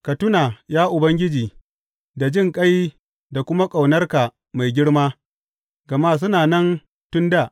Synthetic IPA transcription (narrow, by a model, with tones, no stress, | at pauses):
kɐ˨tʊ˦naː˨jaː˦ʔʊ˨bɐ˦ŋɡʲɪ˦d͡ʒiː˨ | da˨d͡ʒɪ˦ŋkʼɐ˦j | da˨kʷʊ˦ma˦kʼa˨wnɐ˦rka˨ | ma˨jɡʲɪ˦ɽmaː˦ | ɡɐ˨maː˦s̬ʊ˦naː˨nɐ˦n | tʊ˦nda˦˨ʔ